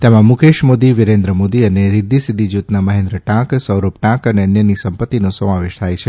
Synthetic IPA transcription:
t̪emãmukʰeʃmod̪iʋɪɾẽnd̪ɾəmod̪iəneɾɪd̪isid̪ʱːid͡ʒut̪naməɦẽnd̪ɾəʈãksəwɾop̚ʈãkəneənjənisəmpət̪ːinosəmaʋeʃt̪ʰajt͡ʃʰe

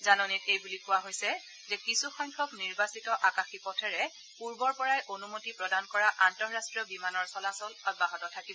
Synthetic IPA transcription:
zanɔnitejbulikʊwaɦojsɛ | zɛkisuxɔjŋkʰɔkniɹbasitɔʔakaxipɔtʰɛɹɛ | puɹbɔɹpɔɹajʔonumotipɹɔdankɔɹaʔantɔɹɹastɹiɔbimanɔɹsɔlasɔlɔd̚baɦɔtɔtʰakibɔ

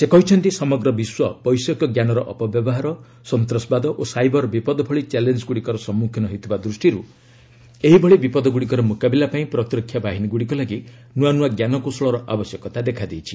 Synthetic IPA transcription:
sekɔɦit͡ʃʰɔnt̪isɔmɔɡɾɔbiswɔpɔjsɔkjɔɡjanɔɾɔʔɔ̰pɔbjɔbɔɦaɾɔ | sɔnt̪ɾɔsbad̪ɔʔosajbɔɾbipɔd̪ɔpʰɔɭit͡ʃelend͡ʒɡuɽikɔɾɔsɔmːukʰjɔnɔɦit̪ʰɔbad̪ɾusʈiɾu | eɦibʱɔɭibipɔd̪ɔɡuɽikɔɾɔmukabilapaĩpɾɔt̪iɾɔkʰjabaɦiniɡuɽikɔlaɡi | nuwanuaɡjanɔkusɔɭɔɾɔʔa̰bɔsjɔkɔt̪ad̪ekʰad̪ejt͡ʃʰi̥

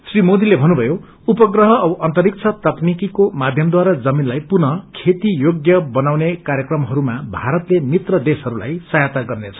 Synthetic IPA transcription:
srimod̪ilebʱʌnːubʱʌjo | upʌɡrʌɦʌːbʌʔʌnt̪ʌɾik̚t͡sʰʌt̪ʌknikikomad̪ʱjʌmd̪waɾad͡zʌminlajpunʌkʰet̪ijoɡjʌbʌnawnekaɾjʌkrʌmɦʌɾumabʱaɾʌt̪lemit̪rʌd̪esɦʌɾula̰jsʌjat̪aɡʌrnet͡sʰʌ̥

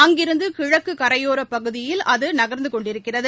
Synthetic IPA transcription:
ɐŋɡɪɾɯnd̪ɯkɪɻɐkːɯkɐɾɐjoːɾɐpːɐɣɯðɪjɪlʔɐðɯnɐɣɐɾnd̪ɯkɔɳɖɪɾɯkːɪrɐðɯ

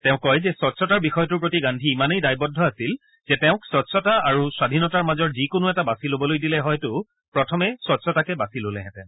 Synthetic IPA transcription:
tɛʊ̃kːɔjzɛsɔtsɔtaɹbixɔjɔtʊɹpɹotiɡandʱiːmanejdajbɔdʱːɔasil | z̥ɛtɛʊ̃ksɔtsɔtaaɹuswadʱinɔtaɹmazɔɹzikonʊɛtabasilobɔlojdilɛɦɔjtʊ | pɹɔtʰɔmɛsɔtsɔtakɛbasilolɛɦɛ̃tɛ̰

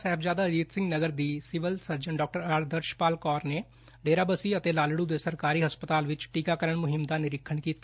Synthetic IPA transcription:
sɛːbzaːd̪aːd͡ʒiːt̪sɪ̃ŋɡnəɡəɾd̪iːsɪʋəlsəɾd͡ʒəɳɖɔːk̚ʈəɾaːɾd̪əɾʃpaːlkɔːɾneː | ɖeːɾaːbəsiːət̪eːlaːlɽuːd̪eːsəɾkaːɾiːɦəspət̪aːlʋɪt͡ʃʈiːkaːkəɾəɳmʊɦɪmd̪aːnɪɾɪkʰːəɳkiːt̪a

